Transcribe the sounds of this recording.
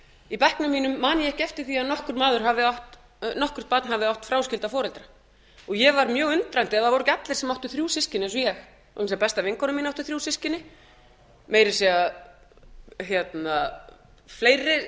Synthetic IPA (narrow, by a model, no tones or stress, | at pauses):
ipɛhknʏmːiːnʏmːaːnɪɛhcɪɛft̪ɪɾ̥θiaðnɔhkʏɾmaːðʏɾ̥ɦavɪawht̪ | nɔhkʏɾ̥t̪pat̪nhavɪawht̪fɾawscɪlt̪afɔːɾɛlt̪ɾa | ɔɣjɛvaɾmjœːɣʏnt̪ɾajn̥t̪ɪɛððaðvɔɾʏcat̪lɪɾsɛmawht̪ʏθɾjuːsɪscɪnɪɛns̬ɔjɛx | ɔ̰nspɛst̪avɪŋkʰɔnʏminawht̪ʏ̥θɾjuːsɪscɪnɪ | meːjɾɪ̥sɛa | çjɛt̪na | fleːjɾːɪ